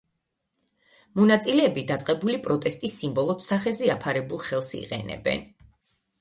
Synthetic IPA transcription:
mɔnat̪sʼilɛːbid̪at̪sʼqʼɛbulipʼɾɔt̪ʼɛst̪ʼisːimbɔlˠɔd̪saχɛzɛapʰaɾɛbulˠχɛlˠsḭqʼɛ̰nɛ̰bɛ̰n

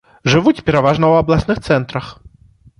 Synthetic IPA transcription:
ʐɨʋut͡sʲpʲɛɾaʋaʐnɐwɐblˠasnɨxt̪sɛnt̪ɾɐx

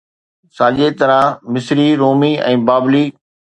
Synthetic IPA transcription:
sãːd͡ʑet̪ɐɾãmɪsɾiɾoːmiɛ̰̃ːbaːbliː

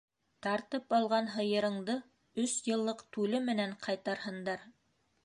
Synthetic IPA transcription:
t̪ɑɾt̪ɤpɑlˠʁɑnɦɤ̆jɤ̆ɾɤ̆ɴd̪ɤ | ɵsjɤ̆lˠːɤqt̪ʉlɘmɘ̆næɴqʰɑjt̪ɑɾhɤ̆nd̪ɑɾ

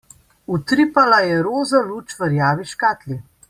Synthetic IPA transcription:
ut̪ɾipalajɛɾoːzaluːt͡ʃʋəɾjaːʋiʃkaːt̪li

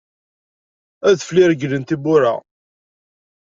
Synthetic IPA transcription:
æðfliɾəɡlənt̪ibʊɾa̰

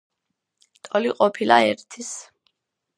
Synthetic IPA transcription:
t̪ʼɔliqʼɔpʰilaɛɾt̪ʰis

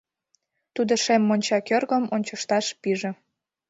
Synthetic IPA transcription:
t̪ud̪oʃemːonʲt͡ɕɑkørɣəmonʲt͡ɕəʃt̪ɑʃpiʒĕ

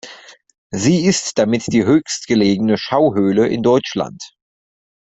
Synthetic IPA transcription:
ziːɪstd̥amɪtd̥iːɦøːçstɡ̥əleːɡənəʃaʊɦøːləʔɪ̰ndɔʏt͡ʃla̰nt

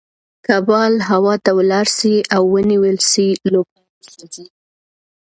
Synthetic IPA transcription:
kabɑlɦawɑt̪awlɑɾsiʔawːəniwəlsilob̚a | sozi

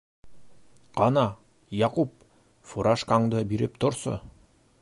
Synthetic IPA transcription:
qɑnɑ | jɑqup̚ | fuɾɑʃkɑŋd̪ɤbiɾɘp̚t̪ŏɾsɤ̰

